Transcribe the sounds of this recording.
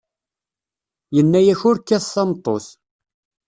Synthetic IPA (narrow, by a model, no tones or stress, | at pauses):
jənːæjæçʊɾkːæθθɑmt̪ˤːos